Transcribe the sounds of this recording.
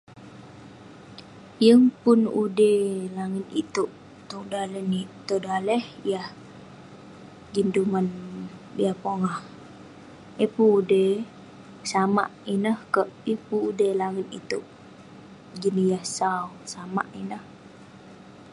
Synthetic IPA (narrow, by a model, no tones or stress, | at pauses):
jəŋpʊnudelaŋət̪̚it̪uʔ | t̪udalɛnit̪odalɛhjah | d͡ʒindumaniahpoŋah | ipuːde | sama̰ʔinəhkəʔjəŋpuːdelaŋət̪it̪uʔ | d͡ʒinijahsaw | sama̰ʔinəh